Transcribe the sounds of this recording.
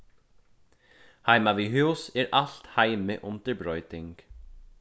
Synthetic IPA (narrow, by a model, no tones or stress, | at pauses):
hajmaʋiɦuwsɛɾaɬt̪hajmɪʔʊnt̪ɪɾbɾɔʏt̪ɪŋk